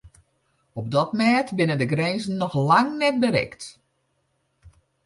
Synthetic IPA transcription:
ɔb̚dɔtmɛːtbɪnəndəɡrɛnzən̩ːɔxlaŋnɛt̚bəɾɛ̰kt

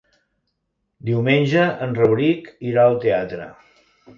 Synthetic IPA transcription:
d̪iwmenʲʒəənrəβɾikiɾaəlˠt̪eat̪ɾə̰

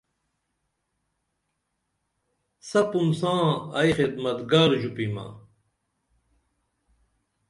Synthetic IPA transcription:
sɐpumsãːɐjxid̪mɐt̪ɡaːɾd͡ʑupima̰

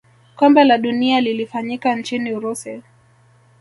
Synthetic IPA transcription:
kɔmbɛlaɗunialilifaɲikant͡ʃiniuɾusɛ

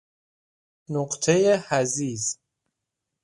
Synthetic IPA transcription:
noɢt̪ʰejehæziːz

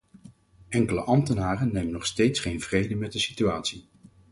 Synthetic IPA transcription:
ʔɛŋkələʔɑmtənaːrənːejmənɔχstejtsχejnv̥rejdəmɛt̚dəsityaːtsi

